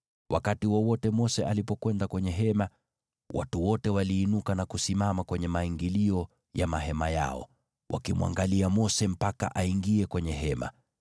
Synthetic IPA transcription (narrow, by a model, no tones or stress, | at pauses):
wʔakatiwɔwɔtɛmɔsɛʔalipɔkwɛndakwɛɲɛɦɛma | wʔa̰tuwɔtɛwaliːnukanakusimamakwɛɲɛmaiŋɡiliɔ | jamaɦɛmaja̰ɔ̰ | wʔa̰kimwa̰ŋɡaliamɔsɛm̩paka̰ʔaiŋɡiɛkwɛɲɛɦɛma̰